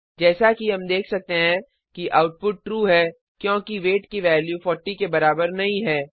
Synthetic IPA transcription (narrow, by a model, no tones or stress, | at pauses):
d͡ʒɛːsakiɦɐmd̪eːkʰsɐk̚t̪eɦɛ̃ | kiʔa̰ːʊʈ̚pʊʈ̚ːɾuːɦɛː | kjõːkiʋeːʈkiʋɛːljufɔːɾʈikebɐɾaːbəɾnɐɦĩɦɛː